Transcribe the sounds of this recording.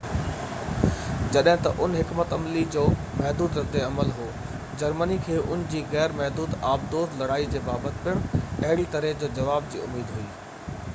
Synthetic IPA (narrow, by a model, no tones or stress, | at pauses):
d͡ʑɐɗɦɪ̃t̪ɐ̰ʔʊnɦɪkmət̪ɐmlid͡ʑoː | mɛɦd̪uːd̪ɾɐd̪eɐməlɦoː | d͡ʑɐɾmənikʰeːʔʊnd͡ʑiːɣɛːɾmɛɦd̪uːd̪aːb̚d̪oːt̪lɐɽaːid͡ʑeːbaːbət̪pɪɽ̃ɐɦɪɽit̪ɐɾed͡ʑoːd͡ʑɐʋaːb̚d͡ʑḭːʊmːiːd̪ɦuiː